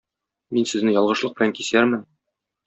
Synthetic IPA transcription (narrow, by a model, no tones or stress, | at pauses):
minsɘ̆znɘjɒlˠʁɤ̆ʃlˠɤq̚bɘ̆læŋkisæɾmɘn